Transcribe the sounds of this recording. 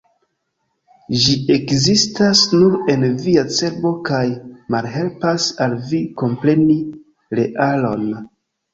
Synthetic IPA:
ʒie̞kzistasnuɾe̞nviat͡se̞ɾbo̞kajmalɦe̞lpasalviko̞mpɾe̞ni | ɾe̞ʔalo̞n

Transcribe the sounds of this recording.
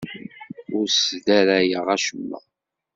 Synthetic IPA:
ʊɾsd̪æɾæjəʁæʃəmːə̰ʁ

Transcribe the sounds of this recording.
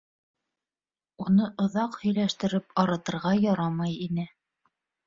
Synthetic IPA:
unɤʔŏðɑqhɵ̆jlæʃt̪ɘ̆ɾɘpɑɾɤ̆t̪ɤ̆ɾʁɑjɑɾɑmɑjinɘ

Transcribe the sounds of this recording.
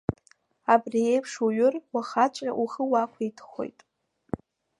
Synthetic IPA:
abrie̞jpʰʂuɥʊrwaχat͡ʃʷʼraʔuχəwakʷʰaitʰχo̞̰jtʼ

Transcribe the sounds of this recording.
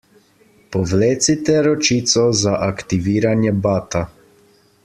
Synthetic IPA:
pɔʋleːt̪sit̪ɛɾɔt͡ʃiːt̪sɔzaʔakt̪iʋiːɾanjɛbaːt̪a

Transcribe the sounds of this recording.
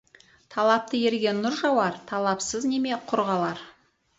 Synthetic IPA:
t̪ʰɑlˠɑp̚t̪əje̞ɾɡʲe̞nːʊɾʒɑwɑɾt̪ʰɑlˠɑpsəzne̞me̞qʰʊɾʁɑlˠɑɾ

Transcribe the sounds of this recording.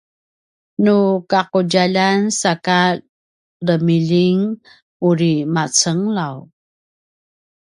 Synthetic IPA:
nukaquɟaʎansaka | ləmiʎiŋ | uɾimat͡səŋlaw

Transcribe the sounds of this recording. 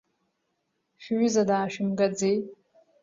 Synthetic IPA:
ʃᶣɥʷʏzadaːʃᶣɪmɡad͡zej

